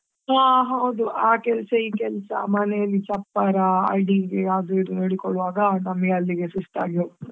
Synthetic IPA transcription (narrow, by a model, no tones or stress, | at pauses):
aːɦɐwd̪uaːkɛlsɐikɛlsɐ̰mɐnɛjɐlːit͡ʃɐpːɐɾɐɐ̰ɖiɡeaːɡiɖunoːɽikɔɭuʋaːɡɐnɐmːɐɡɐlːiɡesisʈa̰ːɡiu